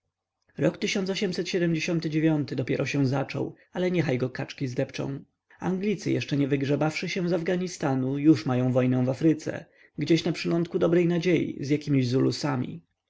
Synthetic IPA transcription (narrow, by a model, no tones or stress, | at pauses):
ɾɔkt̪ɘɕɔnsɔɕɛmsɛt̪ɕɛd̪ɛmd͡ʑeɕɔnt̪ɘd͡ʑevʲjɔnt̪ɘd̪ɔpʲjɛɾɔɕɛw̃zat͡ʂɔ̰w | alɛɲɛxajɡɔkat͡ʂkʲizd̪ɛpt͡ʂɔ̰̃w̃ | a̰ŋɡlʲit̪sɘjɛʂt͡ʂɛɲɛvɘɡʐɛbafʂɘɕɛ̃w̃zavɡaɲist̪anujuʂmajɔ̃w̃vɔjnɛw̃vafɾɘt̪sɛ̰ | ɡd͡ʑeɕnapʂɘlɔnt̪̚kud̪ɔbɾɛjnad͡ʑejḭzjakʲimʲiʑzulusamʲḭ